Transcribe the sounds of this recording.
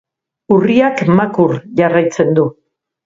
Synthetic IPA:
uriakmakuɾʝarajt͡se̞nd̪u

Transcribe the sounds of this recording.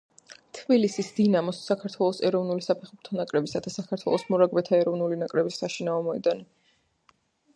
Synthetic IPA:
t̪ʰbilisisd̪̥inamɔsːakʰaɾt̪ʰwɛlˠɔsɛɾɔvnulisapʰɛχuɾt̪ʰanakʼɾɛbisad̪asakʰaɾt̪ʰwɛ̰lˠɔsmɔɾaɡbɛt̪ʰaɛɾɔvnulinakʼɾɛbisːaʃinaɔmɔɛd̪ani

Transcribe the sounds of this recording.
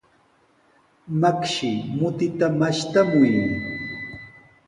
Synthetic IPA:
makʃɪmʊt̪ɪt̪amaʃt̪amʊjm

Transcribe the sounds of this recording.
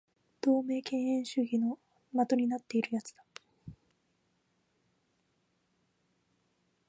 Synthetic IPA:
d̪̥o̞ːme̞ːkẽ̞ɰ̃ẽ̞ɰ̃ɕɨːɡʲino̞ | mat̪o̞ɲ̟inat̪ːe̞iɾɯ̟jat͡sɨ̥d̪̥a

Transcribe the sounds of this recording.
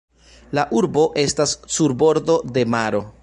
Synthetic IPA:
laʔuɾbo̞ʔe̞stasːuɾbo̞ɾdo̞de̞maɾo̞

